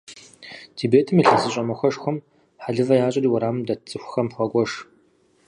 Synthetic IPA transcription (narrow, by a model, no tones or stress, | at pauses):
tʰibeːtʰɨmiɬɐzɨɕʼɐmɐxʷɐʂxʷʊm | ħaɮɨvɐjaːɕʼɐriːwɐɾaːmmdɐt͡sʼɨxʷxɐmχʷɐkʷʼɔʂ